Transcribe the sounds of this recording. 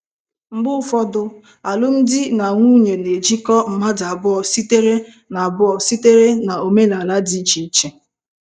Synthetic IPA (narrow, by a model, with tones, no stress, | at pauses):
ŋ͡m̩˨ɡ͡bʊ˦fɔ˦dʊ˦ | a˨lʊ˦n̩˦dɪ˦na˨ŋʷuː˦ɲe˨ne˨d͡ʒi˦kɔ˦m̩˨ma˦da˨bʊ˦ɔ˨si˦te˦ɾe˦ | na˨a˨bʊ˦ɔ˨si˦te˦ɾe˦na˨o˨me˦la˨la˦di˨˦t͡ʃi˨˦t͡ʃe˨